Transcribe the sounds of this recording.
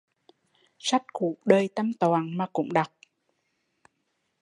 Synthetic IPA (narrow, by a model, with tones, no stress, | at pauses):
sa˦˥t̚kṵ˧˥ɗəː˨˩jt̪a˧mt̪waː˨˩nmaː˨˩kʊ̰˧˥ŋ͡mɗa˨˩k͡p̚